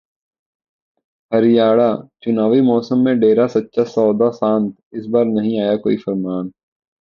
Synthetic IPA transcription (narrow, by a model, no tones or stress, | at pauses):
ɦɐɾɪjaːɽat͡ʃʊnaːʋimɔːsəmːẽɖeːɾasɐtːʃasɔːd̪asãːnt̪ʰɪsbaːɾnɐɦĩaːjakoːifəɾmaːn